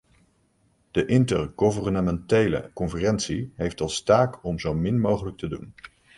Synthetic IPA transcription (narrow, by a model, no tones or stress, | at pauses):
d̥əʔɪntərɡovərnəmɛntejlə̰kɔnfərɛntsiɦejftɑlˠstaːkɔmzowmɪnmowχələk̚tədṵn